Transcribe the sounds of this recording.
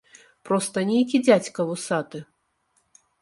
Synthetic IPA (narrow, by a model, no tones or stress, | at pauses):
pɾɔst̪ɐnʲejkʲid͡zʲat͡sʲkɐvusat̪ɨ